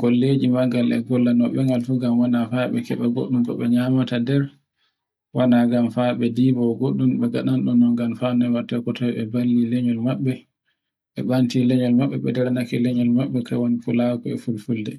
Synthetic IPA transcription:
ɡ̥olːed͡ʒimaɡalɛ̰ɡɔlːanɔɓɛŋɡalfuɡamwanafaɓɛ̰kɛɓaɡo̰ɗːumkɔ̰ɓɛɲamatadɛɾ | wanaɡamfaɓɛdibɔɡoɗːumɓɛɡaɗanɗɔnɔŋɡamfanɔɛmatɛkɔtawɓɛbalːilɛɲɔlmaɓːɛ | ʔɛɓantilɛɲɔlmaɓːɛɓɛdɛɾanakɛlɛɲɔlmaɓːɛka̰wanipulakɔɛ̰fulfuldɛ

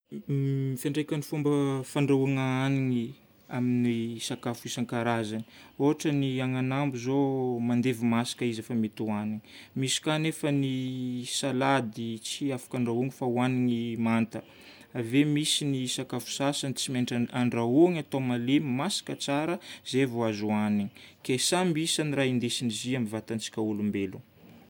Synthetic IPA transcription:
ifeɳɖ͡ʐekʲanifumbəfaɳɖ͡ʐauŋaaniŋi | aminisakafuisaŋkaɾazani̥oɦaʈ͡ʂəniaŋanambuzomand̪evimasḁkəizefamet̪uaniŋmisi̥kanefənisalad̪it͡siafḁkaɳɖ͡ʐauŋifauaniŋimant̪ə | avemisinisakafu̥sasant͡simeɳʈ͡ʂaaɳɖ͡ʐauŋat̪omalemasḁkət͡saɾəz̥evoazuaniŋikesambisaniɾaind̪esiniziambivat̪ant͡si̥kʲaulumbelu

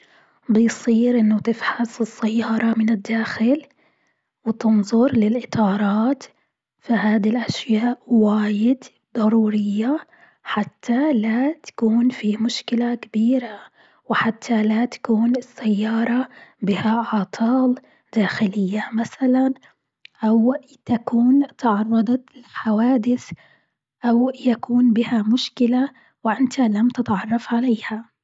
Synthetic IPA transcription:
bɪjsˤiːɾʔɪnːʊt̪ɪfħasɪsːajːɑːɾˤɑmɪnɪd̪ːaːxɪl | wɪt̪ɪnðˤʊɾlɪlʔɪt̪ʰˤɑːɾˤɑːt̪ | fiɦaːd̪ilʔaʃjaːʔwaːjɪd̪ | d̪ˤɑɾˤuːɾɪjːa | ħat̪ʰːalat̪ḁkuːnfiːmʊʃkɪlakabiːɾa | wɪħat̪ʰːalat̪ḁkuːnɪsːajːɑːɾˤɑbɪhaʕɑt̪ˤʰɑːl | d̪̥aːxɪlɪjːamaθalan | ʔaw | t̪akuːnt̪ʕɑrˤːɑd̪ˤɑt̪lħawaːd̪ɪθ | ʔawjakuːnbɪhamʊʃkɪla | wɪʔɪnt̪ʰalamt̪ɪt̪ʕɑrˤːɑfʕaleːha

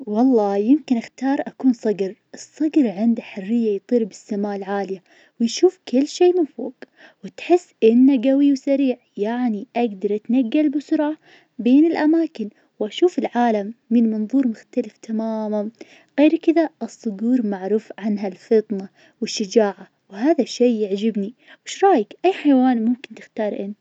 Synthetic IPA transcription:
wɑlˤːɑːjɪmkɪnʔɪxt̪ɑːɾˤʔakuːnsˤɑɡɾʔɨsˤːɑɡɾʕɪnd̪aħʊrːɪjːajt̪ˤiːɾbɪsːamaːlʕaːlɪja | wɪjʃuːfkɪlːʃeːmɪnfo̰ːɡ | wɪt̪ħɪsːʔɪnːaɡawiwsaɾiːʕjaʕniʔaɡd̪ɑɾˤʔat̪naɡːalbʊsʊɾˤa | beːnɪlʔamaːkɪn | wʔaʃuːfɪlʕaːlamːɪnmɑnðˤuːɾmʊxt̪alɪft̪ʰamaːman | ɣeːɾkɪðaʔɨsˤːʊɡuːɾmaʕɾuːfʕanɦalfɨt̪ˤna | wɪʃːad͡ʒaːʕa | wɦaːðaʃeːɪʕd͡ʒɪbni | wɪʃɾˤɑːjɪkʔajːħajwaːnmʊmkɪnt̪ɪ̥xt̪ɑːɾˤʔɪn

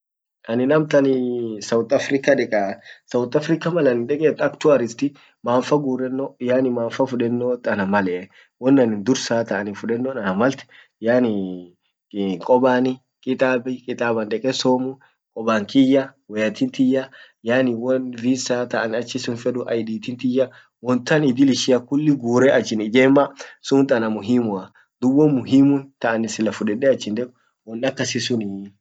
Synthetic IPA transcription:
ʔɐnɪnɐmt̪ɐnɪsɐwt̪ɐfɾɪkaᶑɛkʼaːsɐwt̪ɐfɾɪkɐmɐlɐnɪnᶑ̪ɛkʼeːt̪ɐkt̪ʊɐɾɪst̪ɪ | maːɱfɐɡuːrːɛnːojaːnɪmaːɱfɐfʊᶑɛnːoːt̪ːɐnɐmɐlɛ | wɔnːɐnɪnd̪ʊɾsaːt̪ɐʔɐnɪfʊᶑɛnːonɐnɐmɐlt̪ɛ̥ | jaːnɪ | kʼɔbaːnɪ | kʼɪt̪ʼaːbɪkʼɪt̪ʼaːbɐnd̪ɛkʼɛsoːmʊ | kʼɔbaŋkɪjːawɛjɐt̪ʰint̪ɪjːa | jaːnɪwɔnviːsaːt̪ɐʔɐnɐt͡ʃːɪsʊnfɛᶑʊʔɐ̰jd̪iːt̪ɪnt̪ɪja | wɔnt̪ɐnɪd̪ɪlɪʃɪjɐkʊlːɪɡuːɾɛʔɐt͡ʃːɪnɪd͡ʒeːmːɐsʊnt̪ʼɐnɐmʊɦimʊɐ | d̪ʊwɔnmʊɦimʊnt̪ɐʔɐnɪsɪlɐfʊᶑɛᶑɛɐt͡ʃːɪnd̪ɛkʊ̥ | wɔnɐkːɐsɪsʊnɪ

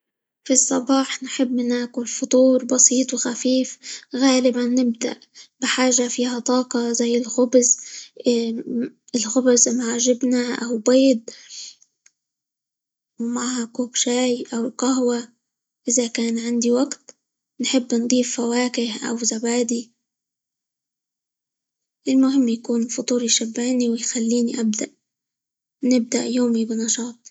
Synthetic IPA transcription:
fisˤːɑbɑːħnħɪbːmɪnaːkʊlfʊt̪ˤuːɾˤbɑsiːt̪ˤwɪxafiːfɣaːlɪbanːɪb̚d̪a̰ʔb̥ɪħaːʒafiːhat̪ˤɑːqɑzajːɪlxʊbz | ɪlxʊbzmaʕaʒɪbnaʔawbeːd̪̚ | wmaʕhakuːkʃaːjʔawqaɦwa | ʔɪzakaːnʕɪnd̪iwaɡt̪ | nħɪbːnd̪ˤiːfːawaːkɪhʔa̰wzabaːd̪i | ʔɪlmʊɦɪmːjakuːnfʊt̪ˤuːɾjʃabːɪʕniwɪjxalːiːniʔab̚d̪aʔ | nɪb̚d̪a̰ʔjoːmibɪnɑʃɑːt̪̚ˤ

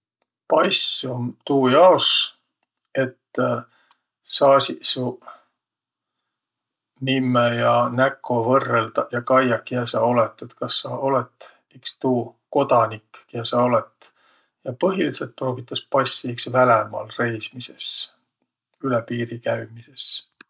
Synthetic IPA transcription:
pɑjsumt̪uːjɑos | e̞t̪ː | sɑːsisu | nimːejɑnækʰːˑo̞vɤrːelt̪ɑjɑkɑjɑkːiæsɑo̞le̞t̪ˑːet̪kɑsːɑo̞let̪ːˑ | ikst̪uːko̞d̪̥ɑnikːjæsɑo̞let̪ːˑ | jɑpɤɦiliselt̪̚pro̞ːɡ̥it̪ːˑɑspɑsʲːiiksvælemɑ̰lre̞jsmise̞s | ylepiːɾikæɥmise̞s

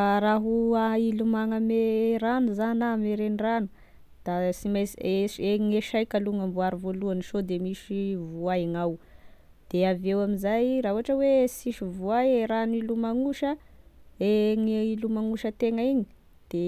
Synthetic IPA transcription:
ɾaɦuailumaŋəmeɾanizanameɾeniranu | d̪̥asimaseeŋeʃajkaluŋambuaɾivoluaniʃod̪emiʃivuaiŋaw | d̪̥eavewaminzajrauɦaʈ͡ʂəwesiʃivuaeɾanilumaŋuʃə | eŋilumaŋuʃət̪eŋəiɲi | d̪̥e

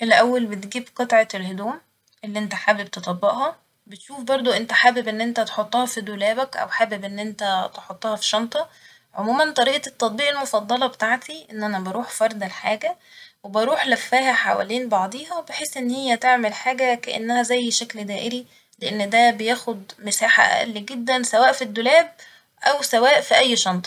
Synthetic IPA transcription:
ʔelʔæwːælbet̪ɡiːbqɑt̪ˤʕɑelhod̪uːm | ʔelːiʔent̪æħaːbeb̚t̪et̪ˤɑbːeʔhɑ | bet̪ʃuːfbɑɾˤd̪ˤoʔent̪æħaːbebʔenːʔent̪æt̪e̥ħot̪ˤːɑhɑfid̪olæːbækʔæ̰wħaːbebʔenːʔent̪æt̪eħot̪ˤːɑhɑfi̥ʃɑnt̪ˤɑ | ʕomuːmænt̪ˤɑɾiːʔɑet̪ˤːɑt̪̚ˤbiːʔelmofɑd̪ˤːɑlɑbet̪aʕt̪ʰiʔenːʔænæbɑɾˤuːħfɑɾˤd̪ælħaːɡæwebɑɾˤuːħlæfːæɦhæħawæ̰liːnbɑʕd̪ˤiːɦɑwebeħeːsːʔenːhejːæt̪eʕmelħaːɡækæʔḛnːæhæzæjːʃækld̪æːʔeɾi | leʔenːd̪æbejæːxod̪mesaːħa̰ʔʔæ̰lːiɡed̪ːænsæwæːʔfid̪ːolæːb̚ | ʔæwsæwæːʔfiʔæjːʃɑnt̪ˤɑ̥

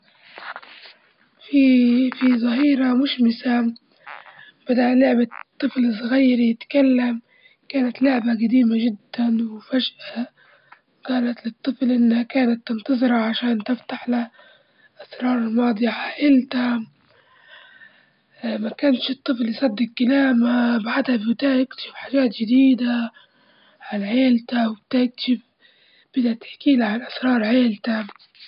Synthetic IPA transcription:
fifizˤɑɦiːɾamʊʃmɪsa | b̥ad̪aʔlʊʕbat̪ˤːɨflsˤɣajːɾjɪt̪kalːam | kaːnat̪lʊʕbaɡad̪iːmaʒɪd̪ːanwɪfaʒʔa | ɡɑːlat̪lɨt̪ˤːɨflʔɪnːhakaːnat̪ːɪnt̪ɑzˤɾɑʕaʃaːnt̪ɪft̪aħla | ʔasɾˤɑːɾˤɪlmɑːd̪ˤiʕaʕeːlt̪a | makanʃɨt̪ˤːɨflːijsˤɑd̪ːɪqkalaːmabaʕd̪habbt̪aːjɪkt̪ḁʃɪfħaːʒaːt̪ʒɪd̪iːd̪a | ʕalʕeːlt̪awb̚t̪ajɪk̚t̪ḁʃɪf | b̥ɪd̪at̪ɪ̥ħkiːlaʕanʔasɾˤɑːɾˤʕeːlt̪a

